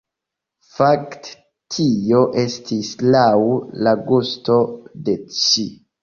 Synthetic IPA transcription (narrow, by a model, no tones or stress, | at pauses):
fakt | tʰio̞ʔe̞stʰislawlaɡusto̞de̞t͡ʃi